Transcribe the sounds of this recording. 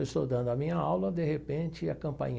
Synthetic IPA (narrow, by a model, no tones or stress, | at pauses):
st̪od̪ɐ̃nd̪ʊɐmĩɲɐawlɐd̪ehepẽt͡ʃɪakɐ̃mpɐ̰̃ɲ